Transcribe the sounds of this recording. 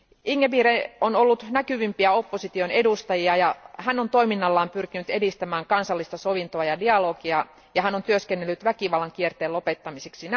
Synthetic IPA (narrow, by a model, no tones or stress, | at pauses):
ʔiŋːeʋiːɾeono̞lːut̪nækyʋimpiæo̞pːosit̪io̞ne̞dust̪ɑjiɑjɑhænːo̞nt̪o̞iminːɑlːɑːmpyrkinyt̪e̞dist̪æmæːŋkɑnsɑlːist̪ɑso̞ʋint̪oɑjɑdiɑlo̞ːkiɑ | jɑɦænont̪yøskenːelːyt̪ʋækiʋɑlːɑŋk̟iert̪eːlo̞pet̪ːɑmiseksin